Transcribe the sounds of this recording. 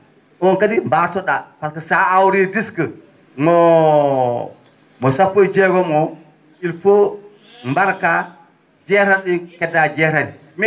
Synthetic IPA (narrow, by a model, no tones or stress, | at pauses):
ʔɔnkadimbatɔɗafalkasaawɾidiskə | ŋɔ | mɔsapːojd͡ʒɛɡɔmɔ | ilfo | mbaɾka | d͡ʒɛɾanɗinkɛdad͡ʒɛɾani | m